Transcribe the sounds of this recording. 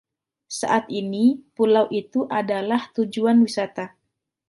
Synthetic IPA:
sa̰ʔat̪inipulawʔit̪uʔadalaht̪ud͡ʒuanwisat̪a

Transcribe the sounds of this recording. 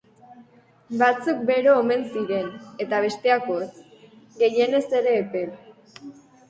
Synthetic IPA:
bat͡suk̚be̞ɾoːme̞nsiɾe̞ne̞t̪aβ̞e̞st̪e̞ako̞t͡s | ɡe̞je̞ne̞se̞ɾe̞ːpe̞l

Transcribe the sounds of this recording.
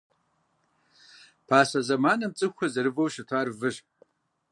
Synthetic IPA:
pʰaːsɐzɐmaːnɐmt͡sʼɨxʷɐzɐɾɨvɐwʃɪtʰaːrvɨʒ

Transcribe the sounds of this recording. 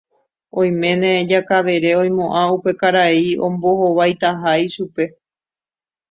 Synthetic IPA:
õ̞j̃mẽ̞nẽd͡ʒakaʋe̞ɾe̞õ̞j̃mõʔãupe̞kaɾaiõ̞̰mbo̞hoʋajt̪aɦaiʃupe̞

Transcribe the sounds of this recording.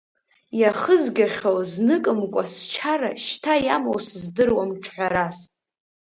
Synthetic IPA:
jaχəzɡʲaχʲowznɨkʼɨmkʷʼa̰st͡ʃʰaɾa̰ʃtʰajamowszdɨrwamʈ͡ʂʰħʷᶣaɾas

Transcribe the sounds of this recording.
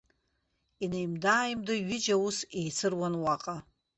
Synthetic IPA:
inejmdaːjmdɨɥɪd͡ʒawusejt͡sʰɨrwanwaqʼa

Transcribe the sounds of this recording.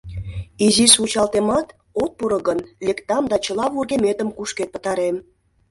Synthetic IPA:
izisut͡ɕɑlt̪emɑt̪ | ot̪̚puɾɤɣənlekt̪ɑmd̪ɑt͡ɕəlɑβurɣemet̪əmkuʃket̪̚pə̥̆t̪ɑɾem

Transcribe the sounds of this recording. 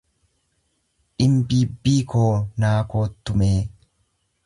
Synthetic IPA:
ʔɪmbiːbːiːkʰoːnaːko̞ːt̪ːʊmeː

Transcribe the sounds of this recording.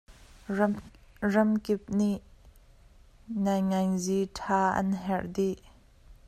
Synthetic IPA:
rɐmkɪp̚niʔ | nɐjŋɐjzitʰaːʔɐ̰nɦɛrdiʔ

